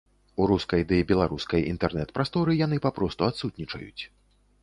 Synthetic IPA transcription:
uɾuskɐjd̪ɛjibʲɛlˠaɾuskɐjḭnt̪ɛrnɛt̪pɾast̪ɔɾɨjanɨpapɾɔst̪uat̪sut̪nʲit͡ʂɐ̰jṵt͡sʲ

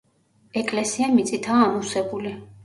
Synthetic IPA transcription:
ɛkʼlɛsiamit̪sʼit̪ʰaːmusɛbuli

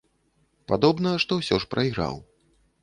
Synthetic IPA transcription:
pad̪ɔbnɐʂt̪ɔwsʲɔʂpɾʔɐjɣɾa̰w

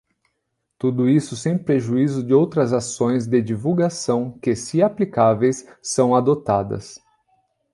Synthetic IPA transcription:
t̪ud̪ʊisʊsẽj̃pɾeʒuizʊd͡ʒɪowt̪ɾɐzasõj̃zd̪ɪd͡ʒivuwɡasɐ̃w̃kɪsiaplikavejsːɐ̃w̃ad̪ot̪ad̪ɐ̰s

